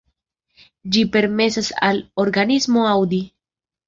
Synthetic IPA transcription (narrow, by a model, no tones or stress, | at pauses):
d͡ʒipe̞ɾme̞sasa̰lo̞ɾɡanismo̞awdi